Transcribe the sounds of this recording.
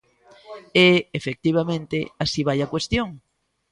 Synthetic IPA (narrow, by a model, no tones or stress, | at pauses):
eːfek̚t̪iβ̞amẽnt̪easiβajakwest̪joŋ